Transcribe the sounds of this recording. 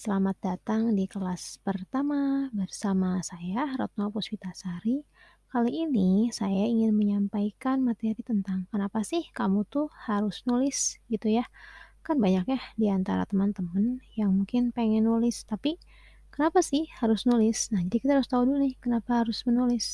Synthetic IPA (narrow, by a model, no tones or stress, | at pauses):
səlamat̪̚dat̪aŋdikəlaspərt̪amabərsamasajaɾɔ̰t̪̚nalpuspit̪asaɾi | kaliːnisajaiŋɪnməɲampaikanmat̪eɾit̪ənt̪aŋkənapasɪhkamut̪uhaɾʊsnulɪsɡit̪ujakanbaɲakjahdiant̪a̰ɾa̰t̪əmant̪əmənjaŋmuŋkɪnpeŋɛnːulɪst̪api | kənapasɪhhaɾʊsnulɪsnahd͡ʒadikit̪aɦaɾʊst̪audulnɪhkənapahaɾʊsmənulɪs